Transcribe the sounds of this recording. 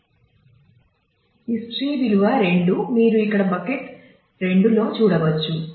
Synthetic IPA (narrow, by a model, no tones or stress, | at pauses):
isʈɾiːʋiluʋɐɾe̞ɳɖumiːɾuikːɐɽɐbɐkeʈ | ɾe̞ɳɖulo̞ːt͡ʃuːɽɐʋɐt͡ʃːu